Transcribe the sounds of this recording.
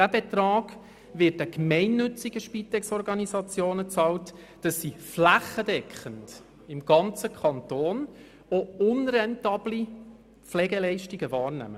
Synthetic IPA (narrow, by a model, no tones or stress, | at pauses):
dæbɛt̪rɑːɡ̥ | vɪtəkmɛɪnːɵt͡siɡəʃpitɛksɔrɡɑnisɑt͡sjoːnət͡sɑlt | d̥ɑsːiflæχːədɛkχənt | ɪmɡɑnt͡səkʰɑntoːn | oʊnrɛntɑːbli | flɛːɡɛlɛɪʃtiɡəvɑːɾnæ̰mə